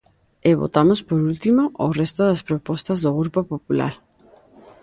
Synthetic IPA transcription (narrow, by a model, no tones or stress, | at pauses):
eβo̰t̪amospoɾult̪imoʔo̰rest̪oðaspɾopɔst̪azðoɣɾupopopula̰ɾ